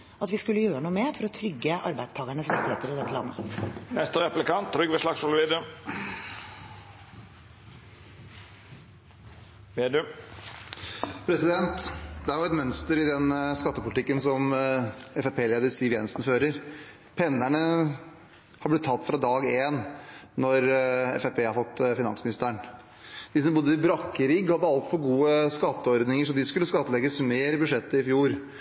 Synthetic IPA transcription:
ɑt̪ʋɪskʉlːəjøːɾənuːəmeːɾfɔɾɔt̪ʰɾʏɡːəʔɑ̰ɾbæɪd̪st̪ʰɑːɡəɳəsɾɪkt̪ɪheːt̪əɾɪd̪ɛt̪ːəlɑ̰nːənɛst̪əɾɛplɪkɑnt̪̚ːɾʏɡʋɛslɑksɔlʋiːd̪ə | ʋeːd̪ʉ | pʰɾɛsɪd̪ɛnt̪d̪ɛæɾjʊɛt̪mœnst̪əɾɪd̪ɛnskɑt̪ːəpʰʊlɪt̪ɪkːənsɔm | ɛfɛpʰeːleːd̪əsiːʋjɛnəsnføːɾəɾ | pʰɛnːæɳə | hɑblɪt̪ʰːɑt̪ːfɾɑd̪ɑːɡeːnːɔɾɛ̰fɛpʰeːhɑɾfɔt̪ːfɪnɑ̰nsmɪnɪst̪əɳ | d̪̥ɪsɔmbʊd̪ːəɪbɾɑkːəɾiːɡhɑd̪ːəɑlt̪fɔɾɡuːəskɑt̪ːəɔɾd̪nɪŋəʂɔd̪ɪskʉlːəskɑt̪ːəlɛɡəsmeːɾbʉʂɛt̪ːəɪfjuːɾ

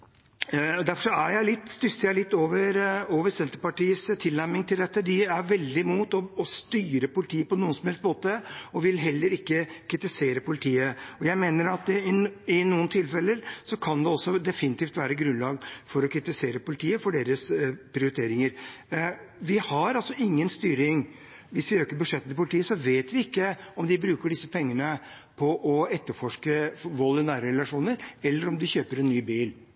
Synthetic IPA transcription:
d̪æɾfɔʂɔæjæɪlɪt̪ːst̪ʏsːəjæɪlɪt̪ːoːʋəɾoːʋəɾsɛnt̪əpɑʈiːəst̪ʰɪlnæɾmɪŋt̪ʰɪld̪ɛt̪ːəd̪ɪæʋɛld̪ɪmuːt̪ɔːst̪yːɾəpʊlɪt̪ʰiːəpɔnuːnsɔmhɛlst̪̚moːt̪əɔʋɪlɦɛlːəɾɪkːəkʰɾɪt̪ɪseːɾəpʊlɪt̪ʰiːəɔjæɪmeːnəɾɑt̪ɪnuːənt̪ʰɪlfɛlːəɾsɔkʰɑnd̪ɛɔsːɔd̪ɛfɪnɪt̪iːft̪ʋæːɾəɡɾʉnlɑːɡfɔɾɔkʰɾɪt̪ɪseːɾəpʊlɪt̪ʰiːəfɔɖeːɾəspʰɾɪʊɾɪt̪ʰeːɾɪŋəɾ | ʋɪhɑɾɑlsɔɪŋːənst̪yːɾɪŋ | ʋɪsʋɪøːkəɾbʉʂɛt̪ːnt̪ʰɪpʊlɪt̪ʰiːəsɔʋeːt̪ʋɪɪkːəɔmd̪ɪbɾʉːkəɖɪsːəpʰɛŋːəɳə | pʰɔʔɔɛt̪ːəɾfɔʂkəʋɔlːənæːɾəɾɛlɑʂuːnəɾɛlːəɾɔmd̪ɪçøːpəɾɛnnːyːbiːl

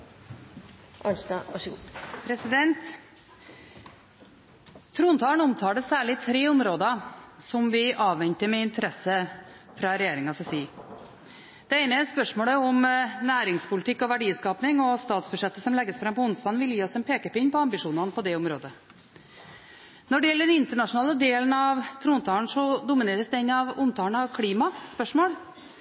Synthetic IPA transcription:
ʔɑnsd̪ɑɑʂpʰɾɛsɪd̪ɛnt̪ | t̪ʰːɾuːnt̪ʰɑːɳʊmt̪ʰɑːd̪əsæːɭɪt̪ʰɾeːʊmɾoːd̪ɑsɔmʋɪʔɑːʋɛɲt̪əmɛɪnt̪ʰəɾɛsəfɾɑɾɛjeːɾɪŋɑsɛsiː | d̪̥ɛeɪnəɛspœʂmoːɭəɔmnæːɾɪŋspʊlɪt̪ɪkːɔʋæɖiːskɑːpnɪŋɔst̪ɑːt̪sbʉʂɛt̪ːəsɔmlɛɡːəsfɾɑmpɔʊnst̪ɑːnʋɪljiːɔsɛnpʰeːkəpɔɪnpɔɑmbɪʂuːnɑnəpɔd̪ɛʊmɾoːd̪ə | nɔɖɛjɛlːəɖɛnɪnt̪əɳɑʂʊnɑːləd̪eːlənɑʋt̪ʰɾuːnt̪ʰɑːɳʂɔd̪ʊmɪneːɾəsd̪ɛɪnːɑʋʊmt̪ʰɑːɳɑʋkʰɽiːmɑspœʂmoːɽ

